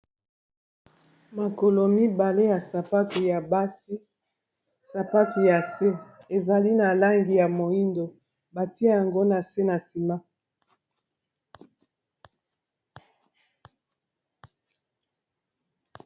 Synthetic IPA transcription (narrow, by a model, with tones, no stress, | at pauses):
ma˨ko˨lo˨mi˦ba˨le˦ja˨sa˨pa˦tu˨ja˨ba˦si˦ | sa˨pa˦tu˨ja˨se˦ | e˨za˨li˦na˨la˦ŋɡi˨ja˨mo˨i˦ndo˨ | ba˨ti˦a˦ja˨ŋɡo˦na˨se˦na˨si˨ma˦